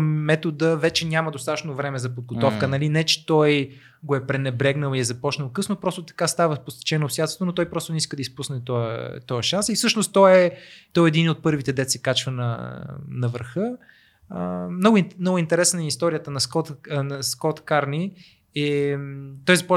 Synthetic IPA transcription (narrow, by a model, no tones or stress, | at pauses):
mɛt̪od̪əvɛt͡ʃɛnʲaməd̪ost̪at̪ə̥t͡ʃnovɾɛmɛzɐpod̪̚ɡot̪ɔfkənɐlinɛt͡ʃɛ̥t̪ɔj | ɡoɛpɾɛnɛbɾɛɡnəlˠiɛzɐpɔt͡ʃnəlˠkɤsnopɾɔst̪ot̪ɐ̥kast̪avəpost̪ɛ̥t͡ʃɛnoːsjat̪ot̪onot̪ɔjpɾɔst̪onɛiskəd̪ɐispusnɛt̪ɔə̰t̪ɔəʃansifsɤʃnoʊst̪ɔɛt̪ɔɛɛd̪inot̪̚pɤɾvit̪ɛd̪ɛt̪sɛkat͡ʃvənɐ̰nɐvəɾxə | əmnɔɡʊimnɔɡʊint̪ɛɾɛsnəɛist̪ɔɾʲijət̪ənɐskɔt̪nɐskɔt̪kaɾni | ɛ | t̪ɔjzɐpɔ